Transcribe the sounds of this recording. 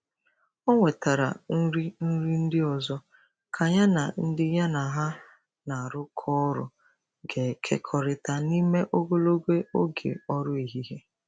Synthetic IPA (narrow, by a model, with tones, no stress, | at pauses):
ɔ˦ŋʷe˨ta˨ɾa̰˨n̩˦ɾi˦n̩˦ɾi˦n̩˦dɪ˦ɔ˨zɔ˦ | kʰa˨ɲa˦na˨n̩˦dɪ˦ɲa˦na˨ɦa˦ | na˨a˨ɾʊ˦kʰɔ˦ɾʊ̰˨ | ɡe˨kʰḛ˦kʰɔ˨ɾɪ˦ta˦ni˦me˦ʔo˦ɡo˦lo˦ɡʷe˦o˦ɡḛ˨ɔ˦ɾʊ˦i˨ɦi˦ɦe˦